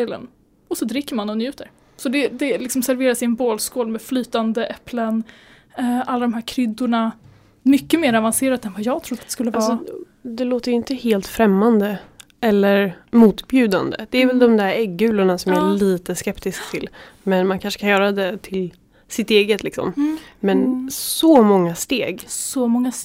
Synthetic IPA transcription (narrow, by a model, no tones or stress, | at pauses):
lə̰n | ɔsɔd̪ɾɪkːəɾmanɔnjʉ̟ːt̪əɾ | sɔd̪ɛd̪ɛlɪksɔmsæɾveːɾasɪɛnboːlskoːlmeːflyːt̪and̪əʔɛplən | ʔalːad̪ɔmɦæːɾkʰɾʏd̪ːʊɳa | mʏkːəmeːɾavanseːɾat̪ɛnvajɑːɡ̚t̪ʰɾʊd̪ːatd̪ɛskɵlːəvaɑːsɔ | d̪ɛloːt̪əjʏɪnt̪əheːlt̪fɾɛmːand̪ə | ɛlːəɾmuːt̪bjʉ̟ːd̪a̰nd̪ə̰d̪̥ɛːɾvɛld̪ɔmd̪æɾɛɡːʉ̟ːlʊɳasɔmæliːt̪əskɛpt̪ɪsk̚t̪ʰɪlmɛnmankʰanʂə̥kʰanjœːɾad̪ɛt̪ʰɪl | sɪt̪eːɡət̪ʰlɪksɔ̰mmɛnsɔmɔŋːast̪eːɡsɔmɔŋːa